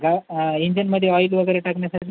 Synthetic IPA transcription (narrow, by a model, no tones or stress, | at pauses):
ɡaiɲd͡ʑənməd̪ʱːjeɔjilʋəɡəjɾeʈakɳjasaʈʰi